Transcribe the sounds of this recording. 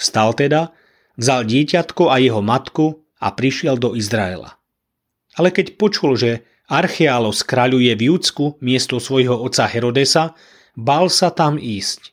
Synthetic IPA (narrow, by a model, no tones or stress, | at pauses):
fst̪alt̪ɛd̪a | vzalɟɪɛcat̪kuajɛɦɔmat̪ku | a̰pɾiʃɪɛld̪ɔizɾaɛ̰la̰ | alɛkɛcpɔt͡ʃulʒɛ | aɾxɛalɔskɾaʎujɛvjuːt͡skumɪɛst̪ɔsʋɔjɦɔɔt̪t͡sːaɦɛɾɔd̪ɛsa | balsat̪amiːsc